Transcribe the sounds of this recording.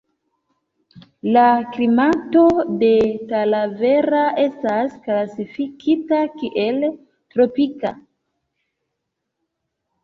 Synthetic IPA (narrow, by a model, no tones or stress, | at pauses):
laklimato̞de̞talave̞ɾae̞stasklasifikʰitakiʔe̞l | tɾo̞pika̰